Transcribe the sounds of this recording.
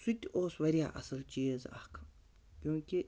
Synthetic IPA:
sut̪ʲoːsʋɐɾʲija̰ːʔɐ̰sɐlt͡ʃijezɐ̰hkʰ | kʲũkʲi

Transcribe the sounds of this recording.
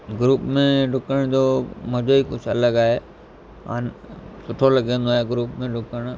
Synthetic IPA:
ɡɾuːpmẽɖʊkəɽ̃d͡ʑoːmʊ̃d͡ʑoiːkʊd͡ʑʱɐləɡaːɦeː | ɦa̰ːnsʊʈʰolɐɡẽːn̆d̪oaːɦeɡɾuːpmẽɖʊkəɽ̃ʊ

